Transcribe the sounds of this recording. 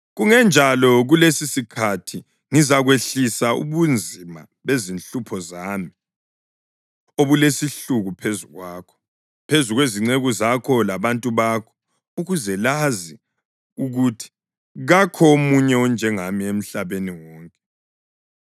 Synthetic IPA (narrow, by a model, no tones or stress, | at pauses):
ɣuŋɛnd͡ʒʱalɔɣulesisikʰatʰi | ŋizaɣweɬisaṵβund͡zʱima | βezinɬupʰɔzaːmi | oβulesiɬuɣupʰezuɣwaːkʰɔ̥ | pʰezuɣweziŋ͡ǀeɣuzakʰɔlaβantʼuβakʰɔ̥ | uɣuzɛlazi | uɣutʰi̥ | ɣakʰɔomuɲɛɔnd͡ʒʱɛŋamiem̩ɬaβeniwɔːŋkʼɛ